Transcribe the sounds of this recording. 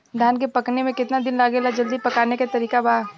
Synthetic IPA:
d̪ʱaːnkepɐknemẽkɪt̪nad̪ɪnlaːɡelad͡ʒɐld̪ipɐkaːnekat̪ɐɾiːkaba

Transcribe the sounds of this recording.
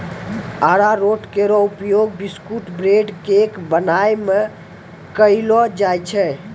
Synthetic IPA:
aɾaɾoʈkeɾɔupjoɡ̚biskuʈbɾeɖkekbənajme | kəɪlɔd͡ʒajt͡ʃʰɛ

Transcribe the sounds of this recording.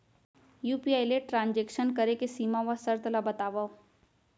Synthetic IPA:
juːpiajleʈɾãɲd͡ʑekʃənkəɾekesiːmaʋəsəɾt̪ʰlabət̪aʋə

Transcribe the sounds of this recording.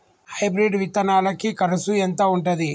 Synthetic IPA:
hɐjbɾiɖʋit̪ɐnaːlɐkikɐɾɐsuent̪ɐuɳʈɐd̪i

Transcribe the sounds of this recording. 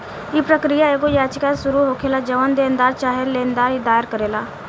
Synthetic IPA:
ipɾəkɾijaeɡojaːt͡ʃkasʊɾuɦoːkʰeːlad͡ʒəʋənd̪eːənd̪aːɾt͡ʃaːɦelẽːnd̪aːid̪aːɪɾkəɾeːlaː

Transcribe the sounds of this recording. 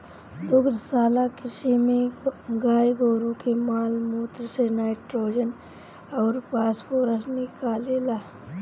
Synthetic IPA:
d̪ʊkɾsaːlakɾɪʃimẽɡaːjɡoːɾukemaːlmuːt̪ɾsenaːɪʈɾoːd͡ʒən | ɔːɾpaːsfoːɾəsnɪkaːleːlaː

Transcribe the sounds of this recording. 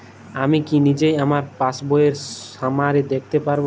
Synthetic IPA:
amikinid͡ʑejamaɾpasboeɾamaɾed̪ek̚ʰt̪epaɾb

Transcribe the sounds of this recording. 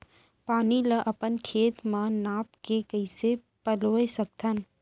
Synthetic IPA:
paːniləʔɐpənkʰeːt̪mãnaːpkekəɪse | pəloesək̚t̪ʰən

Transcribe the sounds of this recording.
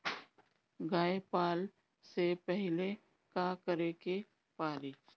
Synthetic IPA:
ɡaːepaːl | sepɛɦle | kakəɾeke | paːɾiː

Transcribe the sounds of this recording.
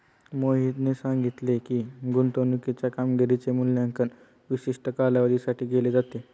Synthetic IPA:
moɦit̪nesãŋɡit̪lekiːɡunt̪onukit͡ɕjakamɡeɾit͡semuljaŋkən | ʋiɕiʂʈəkalaʋəd̪isaʈʰiːɡeled͡zat̪e

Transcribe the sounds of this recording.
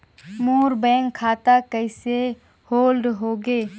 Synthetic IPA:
moːɾbɛ̃ːŋkʰːaːt̪akəɪse | hoːlɖɦoːɡeː

